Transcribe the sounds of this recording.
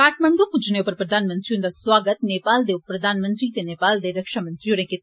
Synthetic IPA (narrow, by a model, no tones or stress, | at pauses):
kaːʈʰmə̃ɳɡopʊd͡ʒneopəɾpɾəd̪aːnmənt̪ɾiũnd̪aːswaːɡət̪neːpaːld̪eːpɾəd̪aːnmə̃nt̪ɾiːt̪eneːpaːld̪eːɾəkʃaːmə̃nt̪ɾiõːnẽke